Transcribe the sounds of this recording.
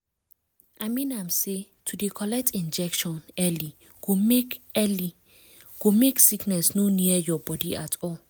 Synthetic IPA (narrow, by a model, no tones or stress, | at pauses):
ʔamĩnamsi | tʰudikʰɔlɛk̚tind͡ʒɛkʃɔnɛli | ɡ̥umikɛli | ɡ̥umiksiknɛsnuniɛjɔbɔdiʔa̰tʼɔ